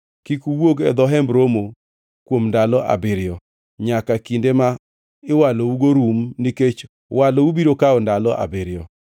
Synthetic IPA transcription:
kikuwoɡɛ̰d̪ɔɦɛmbɾomo | kwomndalɔʔa̰bɪɾɪɔ | ɲakakindema | ɪwalouɡoɾumniket͡ʃ | walɔubiɾokaɔndalɔʔa̰bɪɾɪjɔ

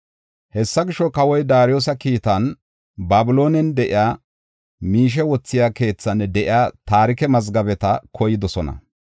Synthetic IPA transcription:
hɛsːɐɡɪʃːɔkɐwɔjd̪aːɾɪjoːs̬ɐkiːt̪ɐn | baːbɪlo̞ːnɛnd̪ɛʔɪ̰jaː | miːʃ̬ɛwɔt͡sːɪjaːke̞ːt͡sːɐnːɛd̪ɛʔɪjaːt̪aːɾɪkɛmɐzɡɐbɛt̪ɐkʰɔjɪd̪ɔsɔnɐ̰

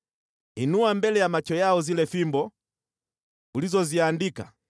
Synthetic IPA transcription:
inuambɛlɛjamat͡ʃɔjaɔzilɛfimbɔ | ulizɔziandika̰

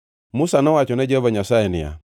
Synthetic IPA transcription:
musanɔwat͡ʃɔnɛd͡ʒɛβaɲasaɛnɪ̰ja̰

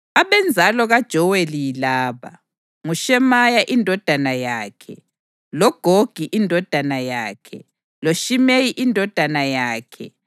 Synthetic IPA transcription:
aβɛnd͡zʱalɔɣad̥ʒ̥ʱɔwelijlaːβa | ŋuʃɛmajaʔindʱɔd̥ʱanajaːkʰɛ | lɔɡ̥ʱoɡ̥ʱiʔindʱɔd̥ʱanajaːkʰɛ | loʃimejiʔindʱɔd̥ʱanajaːkʰɛ

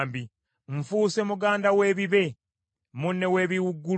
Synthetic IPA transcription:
mbi | ɱfuːse̞muɡaːndawe̞ːβiβe̞ | munːe̞we̞ːβiwuɡːu

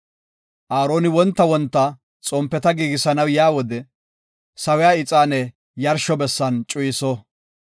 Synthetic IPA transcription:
ʔaːɾoːnɪwɔnt̪ːɐwɔnt̪ːɐ | t͡sʼɔmpːɛt̪ɐɡiːɡɪsɐnɐwjaːwɔd̪ɛ | sɐwɛjaːɪt͡sʼaːnɛ | jɐɾʃɔbɛsːɐnt͡ʃʼʊjɪsɔ

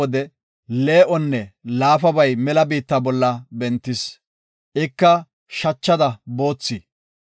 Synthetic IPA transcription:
ɔd̪ɛ | le̞ːʔɔnːɛlaːfɐbɐjmɛlɐbiːt̪ːabɔlːɐbɛnt̪ːɪs | ʔɪkːɐ | ʃɐt͡ʃːɐd̪ɐbo̞ːt͡sːi

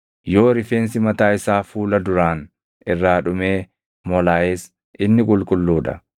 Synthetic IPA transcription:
jo̞ːɾɪfeːnsɪmɐt̪aːɪsaːfuːlɐd̪ʊɾaːn | ɪrːaːᶑʊme̞ː | mɔlaːeːs | ɪnːɪkʼʊlkʼʊlːuːᶑɐ̰

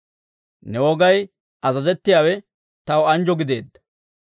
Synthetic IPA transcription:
nɛwɔɡɐj | ɐzɐzɛt̪ːɪjaːwɛ | t̪ɐwɐnd͡ʒɔɡɪd̪e̞ːd̪ːɐ

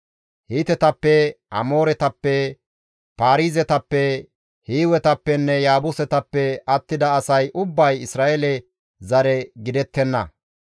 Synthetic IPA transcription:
hiːt̪ɛt̪ɐpːɛʔɐ̰moːɾɛt̪ɐpːɛ | paːɾiːzɛt̪ɐpːɛ | hiːwɛt̪ɐpːɛnːɛjaːbʊsɛt̪ɐpːɛɐt̪ːɪd̪ɐɐsɐjʔʊbːɐjɪsɾaːʔɛlɛ | zɐɾɛɡɪd̪ɛt̪ːɛnːɐ̰

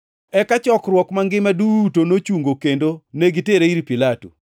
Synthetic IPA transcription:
ɛkat͡ʃɔkɾwɔkmaŋɡɪmadutonot͡ʃuŋɡokendoneɡiteɾeiɾipilatṵ

